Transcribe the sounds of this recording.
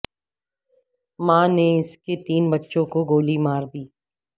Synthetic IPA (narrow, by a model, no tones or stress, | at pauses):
mãːneɪsket̪iːnbɐtːʃõkoɡoːlimaːɾd̪iː